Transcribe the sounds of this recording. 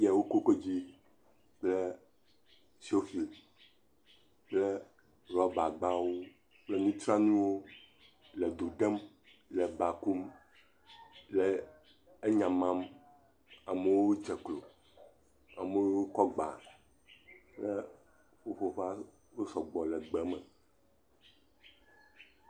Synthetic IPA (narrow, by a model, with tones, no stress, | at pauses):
jɛ˨wo˦ko˦ko˦d͡ʑi˦ | k͡plɛ˦ | si˨˦o˦fi˨l | k͡plɛ˦ | ɾɔ˨˦ba˨ɡ͡ba˦wo˦ | k͡ple˦nũ˦t̪ɾa˦nũ˦wo˦ | lɛ˨d̪o˨ɖɛ˦m | lɛ˨ba˨ku˦m | lɛ˨ | e˦ɲã˨mã˦m | a˨me˦wo˦o˦d͡ʒɛ˨klo˨ | a̰˨me˦wo˦wo˦kɔ˦ɡ͡ba̰˨ | lɛ˦ | ɸo˦ɸo˦ɸa˦ | wo˦sɔ˨ɡ͡bɔ˨lɛ˨ɡ͡bɛ˨mɛ˨